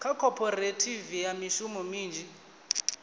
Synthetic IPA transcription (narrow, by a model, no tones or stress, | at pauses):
kʰakʰɔpʰɔretʰivijamiʃumɔmiːnd͡ʒi